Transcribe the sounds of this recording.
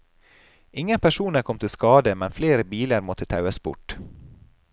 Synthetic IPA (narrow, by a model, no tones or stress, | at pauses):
ɪŋəpʰæʃuːnəɾkʰɔmt̪ʰɪlskɑːd̪əmɛnfleːɾəbiːləɾmɔt̪ʰət̪ʰɑʉəsbʊ̰ʈ